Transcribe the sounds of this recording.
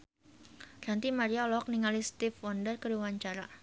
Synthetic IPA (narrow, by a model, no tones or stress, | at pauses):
ɾant̪imaɾialɔk̚niŋalist̪ifwɔndərkəɾiwaɲt͡ʃaɾa